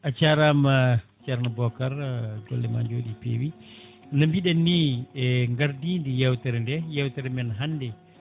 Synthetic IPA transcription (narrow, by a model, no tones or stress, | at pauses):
ʔat͡ʃaɾama | t͡ʃaɾnabɔkaɾɡɔ̰lːɛma̰ɲd͡ʒoːɗipḛːwi | nambiɗanːiɛŋɡaɾdindijɛwtɛɾɛndɛjɛwtaɾɛmɛnɦanːdɛ